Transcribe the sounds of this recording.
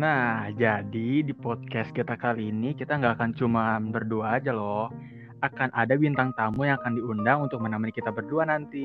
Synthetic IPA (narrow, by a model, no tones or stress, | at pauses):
nahd͡ʒadidipɔd̪̚kɛst̪̚kit̪akaliːnikit̪aŋɡaːkant͡ʃumanbərduad͡ʒalɔh | akanʔadabint̪aŋt̪amujaŋakandiundaŋunt̪ʊk̚mənamanikit̪abərduanant̪i